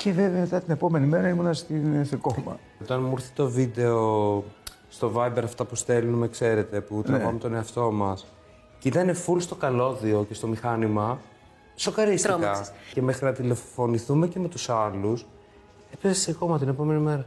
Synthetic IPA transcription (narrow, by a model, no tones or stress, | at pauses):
ce̞veveɐmet̪ɐt̪ine̞po̞me̞nime̞ɾɐimunɐst̪insθekomɐ̰ | ot̪ɐnmuɾθi̥t̪o̞vid̪e̞o̞ | st̪o̞vɐibe̞ɾɐft̪ɐpust̪e̞lunmekse̞ɾe̞t̪e̞put̪ɾɐvɐmt̪o̞ne̞ɐft̪o̞mɐs | cit̪ɐnefulst̪o̞kɐlo̞ðio̞ce̞st̪o̞mixɐnimɐ | sokɐɾist̪ikɐce̞me̞xɾinɐt̪ile̞fo̞niθume̞ce̞me̞t̪usɐlus | epesssekomɐt̪ine̞po̞me̞nimeɾɐ